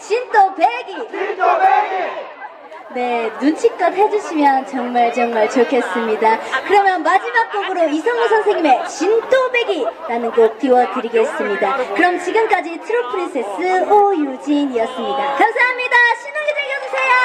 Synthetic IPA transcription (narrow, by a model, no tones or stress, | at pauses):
t͡ɕintopeɡi | ne̞nunt͡ɕʰik̚k͈ʌdɦed͡ʑuɕʰimjʌnt͡ɕʌŋmaɭt͡ɕʌŋmaɭt͡ɕokʰes͈ɯmɲidakɯɾʌmjʌnmad͡ʑimak̚p͈oɡɯɾoisʰʌŋos̬ʰʌnsʰe̞ŋɲime̞t͡ɕindobe̞ɡiɾanɯnɡop͈iwʌtɯɾiɡe̞s͈ɯmɲidakɯɾʌmt͡ɕiɡɯmk͈ad͡ʑitʰɯɾopʰɯɾinsʰes͈ɯojud͡ʑiniʌs͈ɯmɲidakamsʰaɦamɲidaɕʰinud͡ʑid͡ʑeɡjʌd͡ʑusʰe̞jo